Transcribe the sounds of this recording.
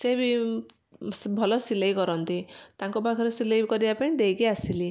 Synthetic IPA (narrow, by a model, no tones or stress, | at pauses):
sebi | sbʱɔlɔsilejkɔɾɔnt̪it̪aŋkɔbaɡʱɔɾesilejkɔɾibapaĩd̪ejkiasili